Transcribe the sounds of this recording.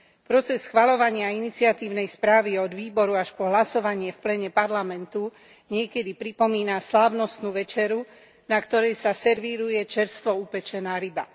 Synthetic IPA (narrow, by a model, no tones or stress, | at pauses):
pɾɔt͡sɛsxʋalɔʋaɲɪainit͡siat̪iːʊnɛjspɾaːʋiɔd̪ʋiːbɔɾuaʃpɔɦlasɔʋaɲɪɛfplɛɲɛpaɾlamɛnt̪u | ɲɪɛkɛd̪ipɾipɔmiːnaslaːʊnɔst̪nuːʋɛt͡ʃɛɾu | nakt̪ɔɾɛjsasɛɾʋiːɾujɛt͡ʃɛɾst̪ʋɔupɛt͡ʃɛnaːɾiba